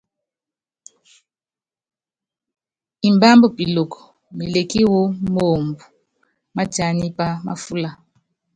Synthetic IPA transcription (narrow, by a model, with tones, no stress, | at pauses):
i˨mba˦mbɔ˦pi˨lo˨kɔ̥˨ | me˨le˨ki˦wo˦mo˨mbu˨ | ma˦ta˨ni˦pa˦ma̰˦fu˦la˦